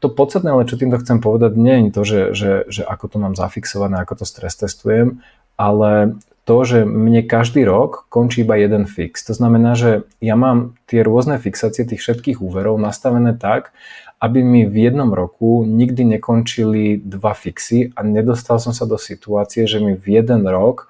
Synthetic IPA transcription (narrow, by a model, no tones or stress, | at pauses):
t̪ɔpɔt̪t͡sst̪at̪nɛːalɛt͡ʃɔt̪iːmt̪ɔxt͡sɛmpɔʋɛd̪aɟɲɛɛɲt̪ɔʒɛʒɛʒɛʔakɔt̪ɔnaːmza̰fiksɔʋanɛːakɔt̪ɔst̪ɾɛst̪ɛst̪ujɛm | alɛ | t̪ɔʒɛmɲɛkaʒd̪iːɾɔkːɔnt͡ʃiːibajɛd̪ɛnfḭkst̪ɔznamɛnaːʒɛjamaːmt̪ɪɛɾʊɔznɛfiksaːt͡siɪɛt̪iːxfʃɛt̪kiːɣuːʋɛɾɔʊnast̪aʋɛnɛːt̪akʔabimivjɛd̪nɔmɾɔkuɲiɡd̪iɲɛkɔnt͡ʃilid̪ʋafiksiʔaɲɛd̪ɔst̪alsɔmsad̪ɔsit̪uaːt͡sijɛʒɛmivjɛd̪ɛnɾɔk